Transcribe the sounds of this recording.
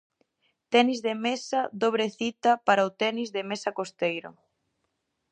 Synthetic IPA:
t̪ɛnizðemesad̪oβɾeθit̪ɐpaɾaot̪ɛnizðemesɐkost̪ejɾʊ̰

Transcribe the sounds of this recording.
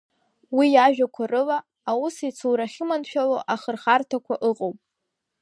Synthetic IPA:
wijaʒᶣakʷʰarɨlaː | wusit͡sʰuwɾaχʲɪmanʃᶣaloʔaχərχartʰakʷʰaʔɨqʼowpʼ

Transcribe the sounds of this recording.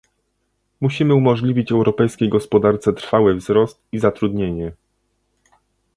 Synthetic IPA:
muɕimɘumɔʐlʲivʲit͡ɕɛwɾɔpɛjskʲejɡɔspɔd̪aɾt̪sɛt̪ɾfawɛvzɾɔst̪̚izat̪ɾud̪ɲeɲɛ

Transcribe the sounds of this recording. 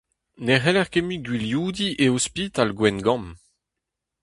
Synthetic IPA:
neʁɛlɛʁkemiɡwiljuːd̪iʔeospit̪alɡwɛnɡɑ̃m

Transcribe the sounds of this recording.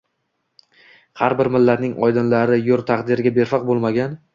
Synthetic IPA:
haɾbɪɾmɪlːat̪nɪŋɒjd̪ɪnlaɾɪjoɾt̪ʰaqd̪ɪɾɪɡʲabe̞ɾfɒq̚bolˠmaɡʲan

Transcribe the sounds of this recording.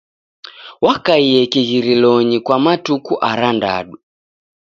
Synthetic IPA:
wakaijɛkiɣiɾilɔɲikwamatukuʔaɾanda̰ɗu

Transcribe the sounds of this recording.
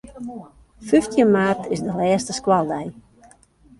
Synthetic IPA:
fyftjəmaːrtʰɪsdəlɛːstəskwalˠdɛj

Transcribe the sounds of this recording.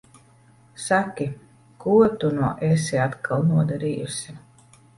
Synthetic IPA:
sakʲi | kuɔt̪unuɔʔesʲɛat̪kʰalˠnuɔd̪aɾijusʲi

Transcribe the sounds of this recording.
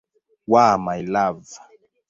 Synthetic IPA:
wamailava

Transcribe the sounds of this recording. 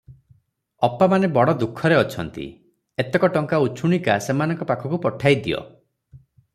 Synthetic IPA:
ɔpamanebɔɽɔd̪ukʰːɔɾeɔt͡ʃʰɔnt̪ḭ | et̪ekɔʈɔŋkaut͡ʃʰuɽ̃ikasemanɔ̃ŋkɔpakʰɔkupɔʈʰajd̪iɔ̰

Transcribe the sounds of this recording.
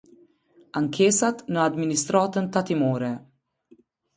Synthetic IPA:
aŋkʰesat̪naad̪minist̪ɾɔt̪ənt̪at̪imoːɾe

